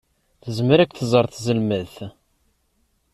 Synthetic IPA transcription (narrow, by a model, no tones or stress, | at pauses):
θəzməɾækʷːθəzˤəɾˤθzəlməðθ